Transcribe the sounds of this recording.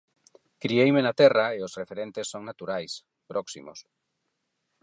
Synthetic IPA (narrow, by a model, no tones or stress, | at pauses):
kɾiejmenat̪ɛraeosrefeɾent̪esːoŋnat̪uɾajs | pɾʔɔksḭmo̰s